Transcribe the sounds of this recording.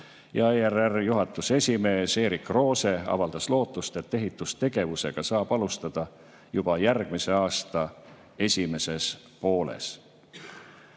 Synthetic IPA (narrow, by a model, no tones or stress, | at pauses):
jɑeererjuɦɑt̪ːˑuse̞sʲime̞ːse̞ːɾikˑro̞ːse̞ɑ̰vɑld̪̥ɑslo̞ːt̪ːˑust̪e̞t̪ːe̞ɦit̪ːˑust̪e̞ɡ̥e̞vuse̞ɡ̥ɑsɑːb̥ɑlust̪ɑd̪̥ɑ | jub̥ɑjærɡ̥mise̞ɑːst̪ɑ | e̞sʲime̞se̞s | po̞ːle̞̰s